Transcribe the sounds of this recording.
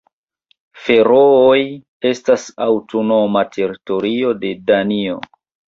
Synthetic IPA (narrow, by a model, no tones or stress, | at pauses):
fe̞ɾooj | e̞stasawto̞no̞matʰe̞ɾito̞ɾio̞de̞danio̞